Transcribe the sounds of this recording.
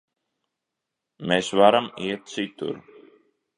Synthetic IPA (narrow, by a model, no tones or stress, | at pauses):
mɛsvaɾamiɛt̪̚t̪sit̪ṵɾ